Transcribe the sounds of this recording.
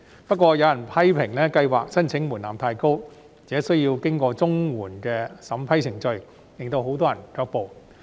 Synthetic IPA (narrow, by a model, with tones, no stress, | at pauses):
pɐ˥t̚kʷɔː˧jɐ˨˧wjɐ˨˩npʰɐ˥jpʰɪ˨˩ŋlɛː˥kɐ˧jwaː˨k̚sɐ˥nt͡sʰɪ˨˥ŋmuː˨˩nlaː˨˩mt̪ʰaː˧jko˥w | t͡sɛː˨˥sɵ˥ɥjiː˧wkɪ˥ŋkɔː˧t͡sʊ˥ŋwuː˨˩nkɛː˧sɐ˨˥mpʰɐ˥jt͡sʰɪ˨˩ŋt͡ʃɵ˧ɥ | lɪ˨ŋt̪o˧wɦo˨˥wt̪ɔː˥jɐ˨˩nkœː˧k̚po˨w